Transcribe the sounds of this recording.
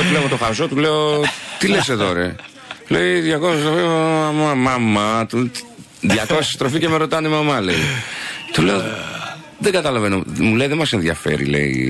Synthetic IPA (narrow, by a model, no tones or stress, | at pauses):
t̪uleomet̪oxɐzo̞t̪uleot̪ile̞set̪oɾɐ | leiðjɐkossist̪ɾofiɐmɐmɐmːɐt̪u | ðʝɐko̞si̥st̪ɾo̞ficemeɾo̞t̪ɐnimɐmɐle̞̰it̪ole̞o | ðeɡɐt̪ɐlɐvenomule̞iðemɐsenðjɐ̰fe̞̰ɾḭlḛḭ